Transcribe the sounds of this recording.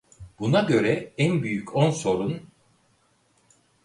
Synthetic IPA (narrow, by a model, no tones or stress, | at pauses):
b̥unaɟø̞ɾɛɛnbyjycʰonso̞ɾun